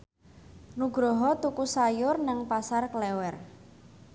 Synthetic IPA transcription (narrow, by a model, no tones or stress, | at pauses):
nuɡɾɔɦɔt̪ukusajʊrnəŋpasarklɛwɛr